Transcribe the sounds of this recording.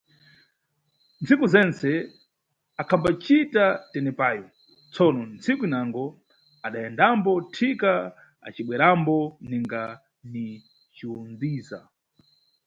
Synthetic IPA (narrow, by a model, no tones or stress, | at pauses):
nt͡sʰikuzɛnt͡sɛ | akʰambat͡ʃitatɛnɛpaːjɔ | t͡sʰɔnɔnt͡sʰikuinaŋɡɔ | aɗajɛndambɔtʰika | a̰t͡ʃiɓwɛɾambɔniŋɡa | ni | t͡ʃiund͡ziːza̰